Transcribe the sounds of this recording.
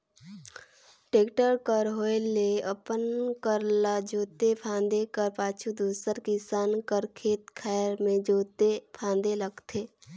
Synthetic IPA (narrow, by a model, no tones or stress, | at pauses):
ʈeːkʈəɾkəɾɦoːeleəpənkəɾlad͡ʒoːt̪epʰãːnd̪ekəɾpaːt͡ʃʰud̪uːsəɾkisaːnkəɾkʰeːt̪kʰɛːɾmẽd͡ʒoːt̪epʰãːnd̪eləɡt̪ʰeː